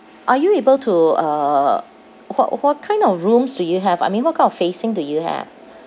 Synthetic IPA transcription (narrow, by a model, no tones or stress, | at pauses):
ʔajuebəltʰuʌ | wɔ̰ʔwɔt̚kʰãɪ̃ndɔfɹũmsdujuɦɛva̰jmĩnwɔt̚kʰaɪ̃nɔfesɪ̃ŋdujuhɛ̰v